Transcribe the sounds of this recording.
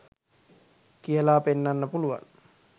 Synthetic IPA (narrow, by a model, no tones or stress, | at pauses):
kielaːpenːanːapuluwa̰n